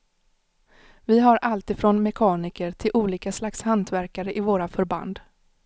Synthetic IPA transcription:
vɪɦaɾʔalt̪ɪfɾɔnmɛkʰɑːnɪkəɾʈ̪ʰɪlʔuːliːkaslakshant̪væɾkaɾəʔɪvoːɾafœɾba̰nd̪

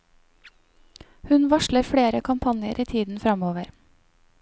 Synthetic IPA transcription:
hʉnʋɑʃləɾfɽeːɾəkʰɑmpʰɑnjəɾʔiːt̪ʰiːd̪n̩fɾɑmoːʋəɾ

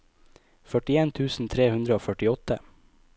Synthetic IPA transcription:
fœʈɪeːnt̪ʰʉːsn̩t̪ʰɾeːhʉnd̪ɾəoːfœʈɪɔt̪ə

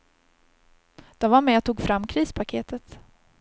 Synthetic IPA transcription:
d̪̥ɔmvaɾmɛat̪ʰːuːɡfɾamːkʰɾiːspʰakʰeːt̪ət̪

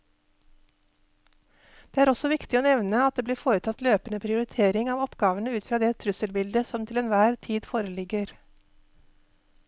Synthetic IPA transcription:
d̪̥eːæːɾɔsɔʋɪkt̪ɪoːnɛʋnəɑt̪̚d̪eːbliːɾfoːɾət̪ʰɑt̪løːpənəpʰɾɪʊɾɪt̪ʰeːɾɪŋɑːʋɔpɡɑːʋənəʉːt̪fɾɑːd̪ɛːt̪ʰɾʉsəlbɪld̪əsɔmt̪ʰɪlɛnʋæːɾt̪ʰiːd̪foːɾəlɪɡəɾ

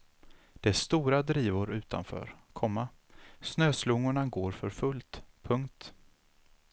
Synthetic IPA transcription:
d̪̥ɛæst̪uːɾad̪ɾiːvʊɾʉ̟ːt̪ʰa̰nfœ̰ːɾkʰɔmːa | snøːslʊŋːʊɳaɡoːɾfœɾfɵlt̪pʰɵŋkt̪

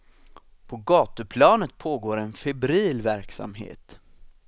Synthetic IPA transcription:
pʰɔɡɑːt̪əpʰlɑːnət̪̚pʰoːɡoːɾɛnfɛbɾiːlvæɾksa̰mɦḛːt̪

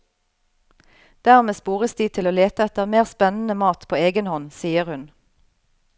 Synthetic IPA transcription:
d̪̥æːʁmeːspuːʁəsd̪iːt̪ʰɪloːleːt̪əɛt̪əʁmeːʁspɛnn̩əmɑːt̪pʰoːeːɡənhɔnsiːəʁhʉn

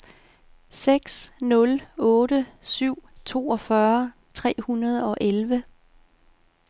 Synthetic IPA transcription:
seɡ̥snɔ̽lɔ̽ːɾəsyʊ̰t͡sʰo̝̰ːɒ̽fɶɐ | t͡sʰʁɛ̰ːhunɐð̞ˠɒ̽ʔelʋə

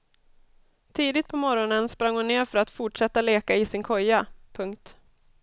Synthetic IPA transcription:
t̪ʰiːd̪ɪt̪̚pʰɔmɔɾɔnənspɾaŋːhʊnːeːɾfœɾat̪fʊʈʂɛt̪ːaleːkaɪsɪnkʰɔjːapʰɵŋkt̪

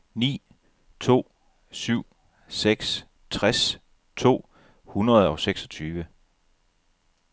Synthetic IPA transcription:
nḭː | t͡sʰo̝̰ː | syʊ̰ | seɡ̥s | t͡sʰʁas | t͡sʰo̝̰ː | hunɐð̞ˠɒ̽ʊseɡ̥sɒ̽t͡sʰyːʋə

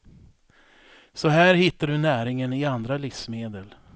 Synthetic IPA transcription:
sɔɦæːɾhɪt̪ːaɖɵnæːɾɪŋənɪand̪ɾalɪfsmeːd̪əl

